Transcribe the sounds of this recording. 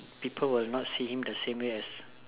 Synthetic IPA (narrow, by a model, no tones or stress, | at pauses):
pipʰəlwilnɔtsihĩmdəsẽmweɛs